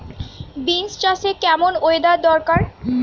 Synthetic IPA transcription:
binst͡ɕasekɛmonoed̪ad̪ɔɾkaɾ

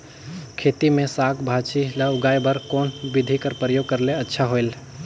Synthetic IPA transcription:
kʰet̪imẽsakʰbʱat͡ʃilaʊɡaːebəɾkoːnbid̪ʱikəɾpɾəjoːɡ̚kəɾleətːʃʰaɦoel

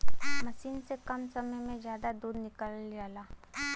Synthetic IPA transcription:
mɐʃiːnsekɐmsɐməjmẽzjaːd̪ad̪uːd̪nɪkəljaːlaː

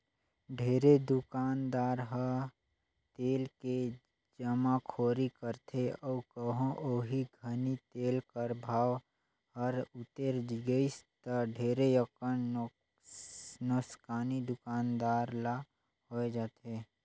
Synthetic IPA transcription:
ɖʱeːɾed̪ʊkaːnd̪aːɾɦə | t̪eːlke | d͡ʒəmakʰoːɾikəɾt̪ʰeɔkəɦõʔoːɦiɡʱənit̪eːlkəɾbʱaːw | həɾʊt̪eɾd͡ʒiɡəist̪əɖʱeːɾejəkən | nəskaːnid̪ʊkaːnd̪aːɾla | ɦoed͡ʒaːt̪e

